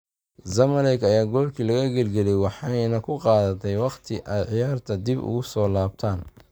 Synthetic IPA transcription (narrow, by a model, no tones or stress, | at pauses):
zɐmɐlɛkɐjaːɡɔːlkʰiːlɐɣɐɡɐlɡɛlɛjwɑħɑjnɐkʰʊqɑːðɐt̪ʰɛjwɑqt̪ʰɪʔaːd̪ʕɪjaːrt̪ʰɐd̪ibʊ̰ɣʊsɔːlaːbt̪ʰaːn